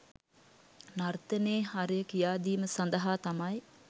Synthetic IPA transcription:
nart̪əneːɦaɾejəkijaːd̪iːməsand̪əɦaːt̪amɐj

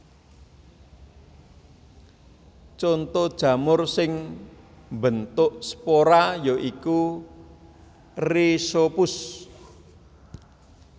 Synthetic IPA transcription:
t͡ʃɔnt̪ɔd̥ʒ̥ä̤mʊrsɪŋ | mbənt̪ʊʔspoɾajoʔiku | risopʊs

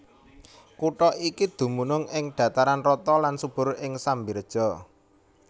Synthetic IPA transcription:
kuʈɔikid̪̥ṳmunʊŋɪŋɖ̪̥a̤t̪aɾanrɔt̪ɔlansub̥ʊ̤ɾɪŋsambird̥ʒ̥ɔ̤

